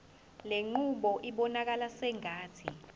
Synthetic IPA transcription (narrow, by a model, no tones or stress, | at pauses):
leŋ͡ǃuɓɔʔiɓɔnak̬alasɛŋaːtʰi